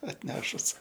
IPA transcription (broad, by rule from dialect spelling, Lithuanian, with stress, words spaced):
ɐtʲˈnʲæːʃʊs